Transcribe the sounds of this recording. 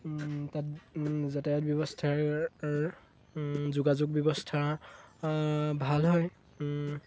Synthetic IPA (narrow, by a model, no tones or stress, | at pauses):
tat̚zatɛtbjɔbɔstʰaɹ | zuɡazʊk̚bjɔbɔstʰa | bʱalɦɔj